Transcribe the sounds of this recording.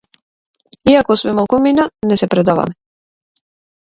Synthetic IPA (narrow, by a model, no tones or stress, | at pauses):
iakɔsmɛmalˠkuminanɛsɛpɾɛd̪ava̰mɛ